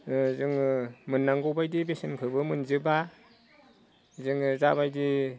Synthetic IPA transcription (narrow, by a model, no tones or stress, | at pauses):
zɯŋmɯnːaŋɡɔwbajdibesenkʰɯbɯmɯnzɯba | zɯŋzaβajdi